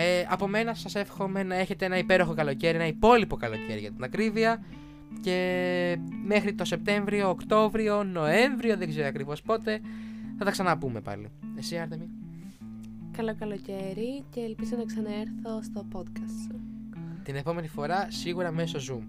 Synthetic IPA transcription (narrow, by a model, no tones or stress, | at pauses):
eɐpo̞me̞nɐsɐse̞fxo̞me̞nɐe̞çe̞t̪eenɐipe̞ɾo̞xo̞kɐlo̞ce̞ɾinɐipo̞lipo̞kɐlo̞ce̞ɾiʝɐt̪ɐt̪inɐkɾiviɐ | ce̞ | me̞xɾit̪o̞se̞p̚t̪e̞ɱvɾio̞ːkt̪o̞vɾio̞no̞e̞ɱvɾio̞ðe̞ɡze̞ɾiɐkɾivo̞spo̞t̪e̞θɐt̪ɐksɐnɐpume̞pɐ̰lḭesiɐɾt̪emi | kɐlokɐloceɾiceːlpizonɐksɐnɐeɾθost̪o̞po̞t̪kɐst | t̪ine̞po̞me̞nifo̞ɾɐsiɣuɾɐmeso̞zum